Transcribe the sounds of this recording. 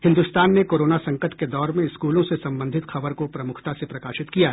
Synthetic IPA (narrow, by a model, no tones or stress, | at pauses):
hɪ̃nd̪ust̪aːnːekoːɾoːnasɐ̃ŋkət̪ked̪ɔːɾmẽɪskuːlõsesɐ̃mbə̃nd̪ʱɪt̪xɐbəɾkopɾɐmʊkʰt̪asepɾɐkaːʃɪt̪kijaː